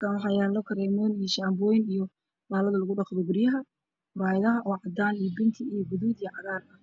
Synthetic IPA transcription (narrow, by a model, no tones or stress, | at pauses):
kʰaːnwħɑːjaːlɔkʰɐɾɛːmɔːnijɔʃaːmbɔːjɪnijɔ | baːlɐðɐlɐɣʊɖɑqðɔɡʊrjɐɦɐ | raːjɪðɐɦɐʔɔːʕɑd̪aːnijɔbɪnt̪ʰɪijɔɡʊðuːd̪ijʕɑðaːrɐ